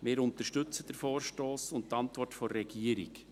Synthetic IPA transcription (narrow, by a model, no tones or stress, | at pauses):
mɪːɾʊntəʃtʏt͡səd̥əɾfɔːɾʃtoːsʊnttɑntvɔrtfɔːɛɡiːəɾɪ̰k